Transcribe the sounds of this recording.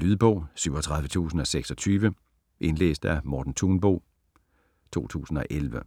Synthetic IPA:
lyðˠb̥ɔ̽ʊ̰syʊ̰ɒ̽t͡sʰʁäðˠʋət͡sʰṵːsn̩ɒ̽seɡ̥sɒ̽t͡sʰyːʋə | ʔe̝nlḛːsd̥æmɒːd̥n̩t͡sʰuːnb̥o̰ː | t͡sʰo̝̰ːt͡sʰṵːsn̩ɒ̽ʔelʋə

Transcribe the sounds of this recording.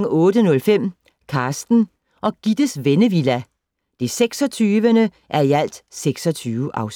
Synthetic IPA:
ɔːd̥ənɔ̽lfem̰ | kʰɑ̈ːsd̥n̩ | ʔɒ̽ɡ̥id̥əsʋenəʋilæ | d̥eseɡ̥sɒ̽t͡sʰyːʋənə | ʔæɐiæl̰d̥seɡ̥sɒ̽t͡sʰyːʊʔɑ̈ʊs

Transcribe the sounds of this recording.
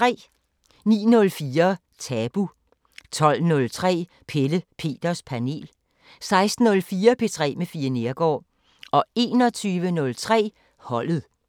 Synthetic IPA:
t͡sʰʁɛ̰ː | nḭːnɔ̽lfiːɐ | t͡sʰɛb̥u | t͡sʰɒ̽l̰nɔ̽lt͡sʰʁɛ̰ː | pʰeləpʰe̝̰ːd̥ɐspʰæne̝̰ːl | sɑ̈ɪsd̥n̩ɔ̽lfiːɐpʰe̝t͡sʰʁɛ̰ːmefiːɐne̝ɐɡ̥ɒ̰ː | ɒ̽e̝ːnɒ̽t͡sʰyːʋənɔ̽lt͡sʰʁɛ̰ː | hɒ̽l̰ð̩ˠ

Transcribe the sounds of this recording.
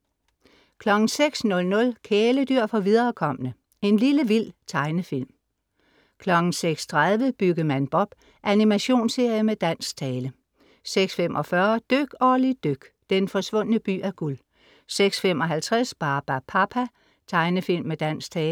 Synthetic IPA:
kʰlɒ̽ɡ̥n̩seɡ̥snɔ̽lnɔ̽lkʰeːləd̥yɐ̰fɒ̽ʋiðˠɐːkʰɒ̽m̰ənə | e̝nliləʋil̰t͡sʰɑ̈ɪnəfil̰m | kʰlɒ̽ɡ̥ŋ̩seɡ̥st͡sʰʁað̞ˠʋəb̥yɡ̥əmænb̥ɒ̽b̥ | ʔænimæɕo̝̰ːnse̝ɐ̰jəmed̥æn̰sɡt͡sʰɛːlə | seɡ̥sfemʔɒ̽fɶɐd̥øɡ̥ɒːlid̥øɡ̥d̥enfɒ̽sʋɔ̽n̰ənəb̥y̰ːæɐɡ̥ul | seɡ̥sfem̰ɒ̽ɦælt͡sʰʁasb̥ɑ̈ːb̥æpʰɑ̈pʰæ | t͡sʰɑ̈ɪnəfil̰mːed̥æn̰sɡt͡sʰɛːl

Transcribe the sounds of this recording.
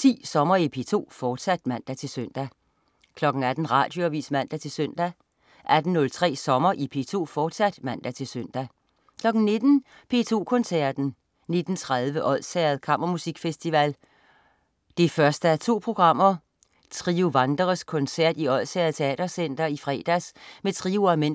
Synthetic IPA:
t͡sʰḭːsɒ̽mɐipʰe̝t͡sʰo̝̰ːfɒːd̥sæd̥mæn̰d̥æt͡sʰe̝lsøn̰d̥æ | kʰlɒ̽ɡ̥n̩æd̥n̩ʁɑ̈ːd̥jo̝æʋḭːsmæn̰d̥æt͡sʰe̝lsøn̰d̥æ | ʔæd̥n̩ːɔ̽lt͡sʰʁɛ̰ːsɒ̽mɐʔipʰe̝̰t͡sʰo̝̰ːfɒːd̥sæd̥mæn̰d̥æt͡sʰe̝lsøn̰d̥æ | kʰlɒ̽ɡ̥n̩ne̝d̥n̩ | pʰe̝̰t͡sʰo̝̰ːkʰɔ̽nsæɐd̥n̩ | ne̝d̥n̩t͡sʰʁaðˠʋəʔɒ̽ð̰ˠsæːɐð̩ˠkʰɑ̈m̰ʔɐmusiɡ̥fesd̥iʋæl | d̥e̝fɶɐsd̥əæt͡sʰo̝̰ːpʰʁo̝ɡ̥ʁɑ̈m̰ɐ | t͡sʰʁiuʋɑ̈nd̥ʁɐskʰɔ̽nsæɐ̰d̥iɒ̽ð̰ˠsɛɐð̩ˠt͡sʰe̝ɛ̰ːd̥ɐsen̰d̥ɐifʁɛ̰ːd̥æsmet͡sʰʁiːuæmen̰

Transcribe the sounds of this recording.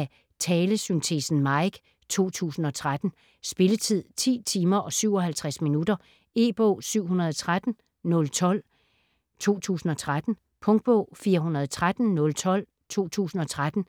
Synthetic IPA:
æ | t͡sʰɛːləsynt͡sʰe̝̰sn̩mɑ̈ɪɡ̥ | t͡sʰo̝̰ːt͡sʰṵːsn̩ɒ̽t͡sʰʁad̥n̩ | sb̥e̝lət͡sʰið̰ˠt͡sʰḭːt͡sʰiːmɐʔɒ̽syʊ̰ɒ̽ɦælt͡sʰʁasminudɐ | e̝ːb̥ɔ̰ːsyʊ̰ɦunɐðˠɒt͡sʰʁad̥n̩ | nɔ̽lt͡sʰɒ̽l̰ | t͡sʰo̝̰ːt͡sʰṵːsn̩ɒ̽t͡sʰʁad̥n̩ | pʰɔ̽ŋd̥̚b̥ɔ̰ːfiːɐɦunɐð̞̩ˠt͡sʰʁad̥n̩nɔ̽lt͡sʰɒ̽l̰ | t͡sʰo̝̰ːt͡sʰṵːsn̩ɒ̽t͡sʰʁad̥n̩

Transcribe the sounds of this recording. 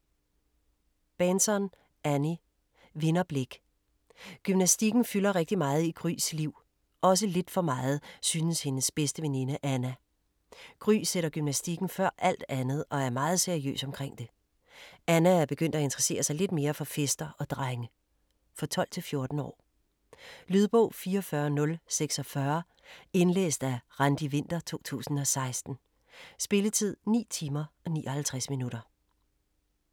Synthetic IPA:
b̥ensɒn | ʔæni | ʋe̝nɐb̥le̝ɡ̥ | ɡ̥ymnæsd̥iɡ̥n̩fylɐʁɛɡ̥̚d̥imɑ̈ːð̞̩ˠiɡ̥ʁy̰ːsliʊ̰ | ʔɒ̽s̬əle̝d̥fɒ̽mɑ̈ːð̞̩ˠsyːnəshe̝nəsb̥esd̥əʋe̝ninəʔænæ | ɡ̥ʁy̰ːseɾɐɡ̥ymnæsd̥iɡ̥n̩fɶɐ̰ʔæl̰d̥ænð̞̩ˠɒ̽æɐmɑ̈ːð̞̩ˠseɐiø̰ːsɒ̽mkʰʁeŋ̰d̥e̝ | ænæːɐb̥e̝ɡ̥øn̰d̥æe̝nd̥ʁɐse̝̰ːɐsɑ̈ɪle̝d̥me̝ːɐfɒ̽fesd̥ɐʔɒ̽d̥ʁaɪŋə | fɒ̽t͡sʰɒ̽l̰t͡sʰe̝lfjo̝ɐd̥n̩ɒ̰ː | lyð̞ˠb̥ɔ̽ʊfiːɐɒfɶɐnɔ̽lseɡ̥sɒ̽fɶɐ | e̝nlḛːsd̥æʁand̥iʋe̝n̰d̥ɐt͡sʰo̝̰ːt͡sʰṵːsn̩ɒ̽sɑ̈ɪsd̥n̩ | sb̥e̝lət͡sʰið̞̰ˠnḭːt͡sʰiːmɐɒ̽nḭːʔɒ̽hælt͡sʰʁasminuɾ̥ɐ

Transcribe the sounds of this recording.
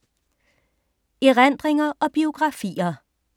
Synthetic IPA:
iʁænd̥ʁeŋɐʔɒ̽b̥io̝ɡ̥ʁɑ̈fḭːɐ

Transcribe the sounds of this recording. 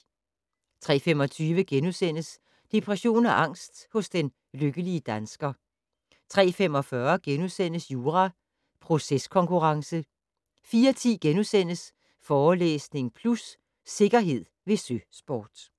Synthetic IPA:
t͡sʰʁɛ̰ːfemɒ̽t͡sʰyːʋəɡ̥enusen̰əs | d̥e̝pʰʁɛɕo̝̰ːnæʔɑ̈ŋ̰sd̥hɔ̽sd̥en | løɡ̥əliəd̥ænsɡ̥ɐ | t͡sʰʁɛ̰ːfem̰ɒ̽fɶɐɡ̥enusen̰əsjuːʁɑ | pʰʁo̝seskʰɒ̽ŋkʰuʁɑ̈ŋsə | fiːɐt͡sʰḭːɡ̥enusen̰əs | fɒːlḛːsne̝ŋpʰlusː | e̝ɡ̥ɐɦe̝ð̞̰ˠʋe̝søsb̥ɒːd̥

